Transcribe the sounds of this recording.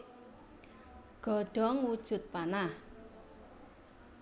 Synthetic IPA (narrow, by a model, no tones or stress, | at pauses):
ɡ̥ɔ̤ɖ̥ɔ̤ŋwud̥ʒ̥ʊ̤t̪̚panah